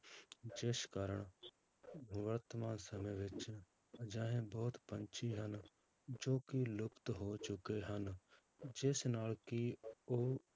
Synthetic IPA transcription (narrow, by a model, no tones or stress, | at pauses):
d͡ʒɪskaːɾəɽ̃ | ʋəɾt̪əmaːnsəməjʋɪt͡ʃ | d͡ʒaːɦẽbɔːt̪pənt͡ʃʰiɦən | d͡ʒoːkilʊpt̪ɦoːt͡ʃʊkeɦən | d͡ʒɪsnaːlkio